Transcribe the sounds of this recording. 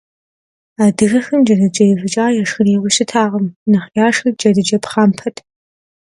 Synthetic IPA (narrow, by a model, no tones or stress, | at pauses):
aːdɨɣɐxɨmd͡ʒɐdɨd͡ʒʼɐjɪvʷɨt͡ʃʼaːjaʂxɨneːwʊɕʼɪtʰaːʁɐmnɐχjaːʂxɐd͡ʒɐdɨd͡ʒɐpχaːmpʰɐtʰ